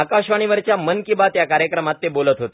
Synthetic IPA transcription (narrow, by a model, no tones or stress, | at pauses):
akaɕʋaɽ̃iʋəɾt͡ɕjamənkĩʋat̪jakaɾjəkɾəmat̪ːebolət̪ɦot̪e